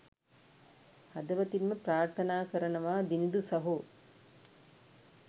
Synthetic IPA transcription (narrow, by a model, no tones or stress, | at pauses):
hɐd̪ɐʋɐt̪inməpɾaːɾt̪ʰɐnaːkɐɾɐnɐʋaːd̪inid̪usɐɦu